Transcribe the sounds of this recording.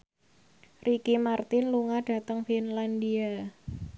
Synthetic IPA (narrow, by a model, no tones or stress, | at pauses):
rʔikimart̪ɪnluŋad̥a̤t̪əŋfinlandia